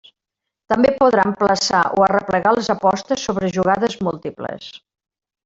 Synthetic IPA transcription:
t̪əmbepuðɾampləsa̰ʔo̰ərəpləɣalˠzəpɔst̪əsːoβɾəʒuɣaðəzmulˠt̪iplə̰s

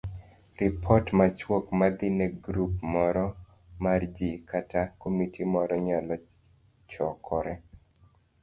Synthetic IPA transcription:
rɪpʰɔtmat͡ʃwokmad̪ɪnɛɡɾupmɔɾɔ | mard͡ʒikatakomitʰimɔɾɔɲalɔ | t͡ʃɔkʰɔɾɛ

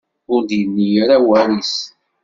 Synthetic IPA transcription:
ʊɾd̪jənːijəɾawæɾis

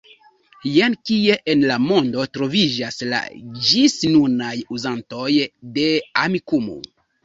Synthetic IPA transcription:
jenkie̞ʔenlamo̞ndo̞tɾo̞vid͡ʒasla̰d͡ʒisnunajuzanto̞jde̞amikumo̰

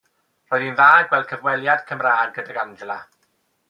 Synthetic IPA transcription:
r̥ɔːjðinðaːɡwɛlˠkʰəvwɛlˠjad̥kʰəmraːdɡədaɡandlˠa

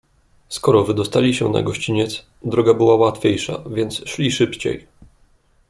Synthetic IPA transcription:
skɔɾɔvɘd̪ɔst̪alʲiɕɛna̰ɡɔɕt͡ɕiɲɛt̪s | d̪ɾɔɡabɘwawat̪fʲejʂa̰vʲjɛnt̪sʂlʲiʂɘpt͡ɕḛj

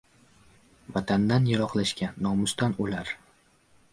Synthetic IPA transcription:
vat̪ʰand̪anjaɾɒqlˠaʃkʲanːɒmʊst̪anolaɾ

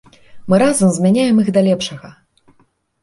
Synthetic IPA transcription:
mɨɾazɐmzmʲanʲajɛmɨɣd̪ɐlʲɛpʂɐɣɐ

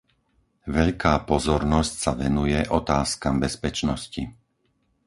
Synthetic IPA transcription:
ʋɛʎkaːpɔzɔɾnɔscsaʋɛnujɛʔɔt̪aːskambɛspɛt͡ʃnɔsci

